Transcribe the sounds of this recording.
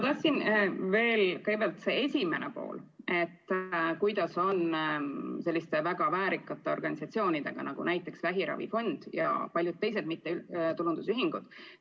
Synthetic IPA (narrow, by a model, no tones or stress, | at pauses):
ɑt̪ɑsinve̞ːlkɯɤɡbælt̪se̞e̞sʲimenʔḛpo̞̰ːle̞t̪ːˑkujd̪ɑso̞n | se̞lʲːist̪e̞væɡɑvæːɾikːˑɑt̪ˑːe̞o̞̰rɡɑnʲisɑt̪sio̞ːnid̪̥e̞̰ɡ̥ɑ̰nɑɡ̥ṵnæjt̪ˑːe̞ksvæɦiɾɑ̰vḭfo̞nd̪̥jɑ̰pɑlʲjud̪̚t̪ːe̞js̬ed̪mit̪ːeyt̪ulund̪usyɦiŋɡ̥ud̪̥